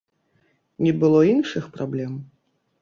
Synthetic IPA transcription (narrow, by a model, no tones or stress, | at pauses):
nʲɛbɨlˠɔinʂɨxpɾablʲɛm